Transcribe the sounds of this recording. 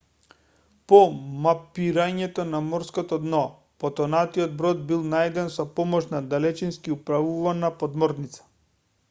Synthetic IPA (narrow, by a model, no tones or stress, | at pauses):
pɔmapiɾaɲɛt̪ɔnamɔɾskɔt̪ɔd̪nɔ | pɔt̪ɔnat̪iɔd̪̚bɾɔd̪̚bilˠnajd̪ɛnsɔpɔmɔʃnad̪alɛt͡ʃinskiupɾavuvanapɔd̪mɔɾnit̪sḁ